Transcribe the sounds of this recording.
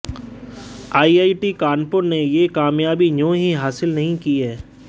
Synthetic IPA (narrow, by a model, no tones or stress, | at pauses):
aːiaːiʈikaːnpʊɾnejekaːmjaːbinõːɦiɦaːsɪlnɐɦĩkiɦɛː